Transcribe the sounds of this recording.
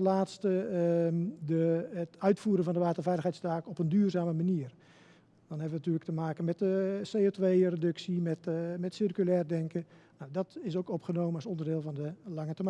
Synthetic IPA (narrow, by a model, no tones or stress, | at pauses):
əlaːtstə | dəətœɥtfuːɾəvɔndəʋaːtərvɛjləxɦɛjtstaːkɔpəndyːrzaːməmaniər | d̥ɔnɦɛbəʋənatyələktəmaːkənmɛtəseːoːtʋeːredɵksimɛtmɛtsirkylɛːrdɛŋkənawdɔtɪsowkɔpχənoːmənɔsɔndərdɪːlˠvɔndəlɑŋətom